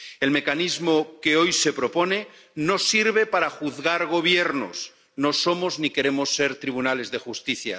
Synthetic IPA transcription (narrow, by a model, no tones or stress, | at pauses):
e̞lme̞kanizmo̞keo̞jse̞pɾo̞po̞ne̞ | no̞siɾβ̞e̞paɾaxuðɣaɾɣ̞o̞β̞je̞ɾno̰s | no̞so̞mo̞znike̞ɾe̞mo̞sːe̞ɾt̪ɾiβ̞unale̞zðe̞xust̪iθja̰